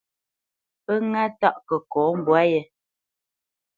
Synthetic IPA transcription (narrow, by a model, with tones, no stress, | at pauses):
pə˦ŋa˦ta˦˨ʔkə˨kɔː˨˦m̩˨bwa˦jɛ˦